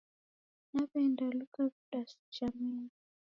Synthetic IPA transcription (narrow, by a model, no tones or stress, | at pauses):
napɛndalukakuɗasi̥t͡ʃamini